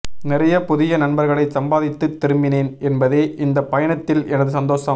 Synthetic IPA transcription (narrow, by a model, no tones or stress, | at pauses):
nɪrɐjɐpʊðɪjɐnɐɳbɐɾɣɐɭɐɪsɐmbaːðɪt̪ːɯt̪ːɪɾɯmbɪneːnɛnbɐðeːʔɪnd̪ɐpːɐjɐɳɐt̪ːɪlɛnɐðɯsɐnd̪oːsɐ